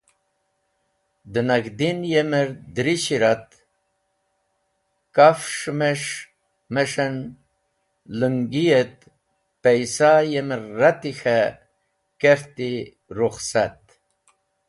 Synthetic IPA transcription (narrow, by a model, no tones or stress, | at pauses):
d̪ɨnɐɡd̪injemeɾd̪ɾiɕiɾat̪ | kafʂmeʂ | meʂen | luŋɡijet̪̚ | pejsajemɾːat̪ixa | keɾt̪i | ɾuχsat̪̚